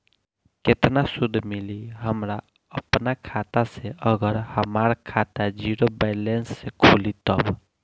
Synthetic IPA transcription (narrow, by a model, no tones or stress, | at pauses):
kɪt̪nasʊd̪ʱːmɪliɦəmɾa | əpnakʰaːt̪aseəɡəɾhəmaɾakʰaːt̪ad͡ʒiɾobɛːlensːekʰulit̪əb